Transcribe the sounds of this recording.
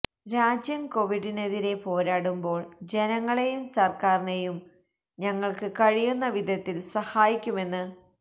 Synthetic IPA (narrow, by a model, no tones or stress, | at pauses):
ɾaːd͡ʑjɐmko̞ʋiɽine̞ðiɾe̞po̞ːɾaːɽumbo̞ːɭd͡ʑe̞nɐŋːɐɭe̞jumsɐrkaːrinejum | ɲɐŋːɐɭkɨkɐɻijunːɐʋid̪ʱɐt̪ːilsɐhaːjikʲːume̞nːɨ